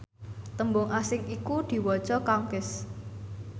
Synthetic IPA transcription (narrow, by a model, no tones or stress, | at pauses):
t̪əmbʊŋasɪŋikud̪̥i̤wɔ̥t͡ʃɔkaŋkɪs